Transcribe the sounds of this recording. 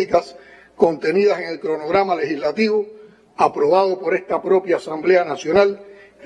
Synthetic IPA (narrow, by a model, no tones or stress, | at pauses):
ikas | kõ̞nt̪e̞niðase̞ŋe̞lkɾo̞noɣ̞ɾamale̞hizlat̪iβo | apɾo̞βað̞o̞po̞ɾe̞st̪apɾo̞pjaːsamble̞anasjo̞nal